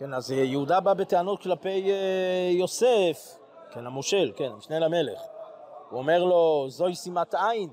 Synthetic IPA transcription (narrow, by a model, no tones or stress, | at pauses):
kenazjeudababeteanotklape̞jː | o̞sef | kenamoʃe̞lkenmiʃnelame̞le̞̰χ | uome̞ʁlo̞zo̞jsimat̪ajin